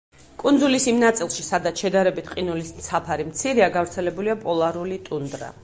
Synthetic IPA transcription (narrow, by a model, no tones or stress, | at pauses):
kʼunzulisimnat̪sʼilˠʃisad̪at̪sʃɛd̪aɾɛbit̪ʰqʼinulisnt̪sʰapʰaɾimt̪sʰiɾiaɡavɾt̪sʰɛlɛbuliapʼɔlˠaɾulit̪ʼund̪ɾa̰